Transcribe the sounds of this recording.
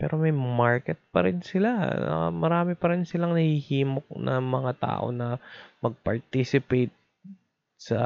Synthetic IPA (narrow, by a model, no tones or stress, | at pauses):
pɛ̰ːɾomɐjmaɹkɛt̪̚pɐ̰ɾɪnsɪlaɐ̰mɐɾaːmɪpɐɾɪnsɪlaŋnɐhihiːmok̚nʔɐ̰mɐŋat̪a̰ːʔo̞̰nɐmɐɡ̚pɐɹt̪isɪpejt̪̚ | sɐ